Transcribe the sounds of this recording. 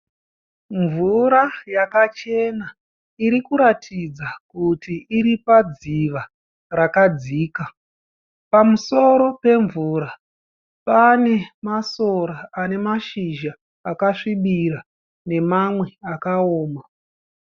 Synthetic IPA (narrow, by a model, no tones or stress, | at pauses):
ɱvuɾajakat͡ʃe̞na | iɾikuɾatʰid͡zakutiʔːɾipad͡ziʋa | rakad͡ziːka | pamuso̞ɾo̞pe̞ɱvuːɾa | pane̞maso̞ɾaːne̞maʃiʒaː | kaʂiɓiɾa | ne̞mamwe̞akaoːma